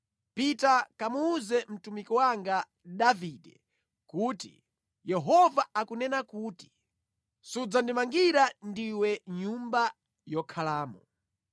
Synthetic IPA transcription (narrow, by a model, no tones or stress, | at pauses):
pitakamuːzɛm̩tumikɔwaŋɡa | davidɛ | kuːtḭ | jɛɦɔvaakunɛnakuːti̥ | sud͡zandimaŋɡiɾandiwɛɲumba | jɔkʰalaːmɔ